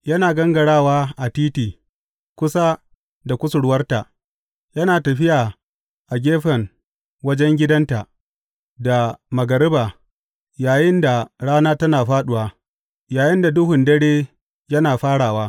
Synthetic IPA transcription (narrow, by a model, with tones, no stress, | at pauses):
jɐ˦naː˨ɡɐ˦ŋɡɐ˨ɽaː˦waː˦ʔa˨tiː˦tiː˨ | kʷʊ˦sa˦ | da˨kʷʊ˦sʊ˨ɽwɐ˦rta˨ | jɐ˦naː˨tɐ˨ɸɪ˦jaː˨ | ʔa˨ɡʲeː˦ɸɐ˨ŋ | wɐ˦d͡ʒɛ˦ŋɡʲɪ˦dɐ˦nta˨ | da˨mɐ˨ɡɐ˨ɾɪ˦baː˨ | jaː˨jɪ˦nda˨ɽaː˦naː˦tɐ˦naː˨ɸaː˦ɗʊ˨waː˦ | jaː˨jɪ˦nda˨dʊ˦ɦʊ˨ndɐ˦ɽeː˦ | jɐ˦naː˨ɸaː˦ɽaː˨waː˦